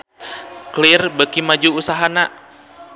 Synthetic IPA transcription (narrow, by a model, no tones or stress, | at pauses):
klirbəkimad͡ʒuːsaɦana